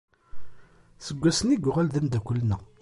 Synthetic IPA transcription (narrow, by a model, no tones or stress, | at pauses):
səɡʷːæsəniɡʷʁælðənd̪ækʷəlːnæ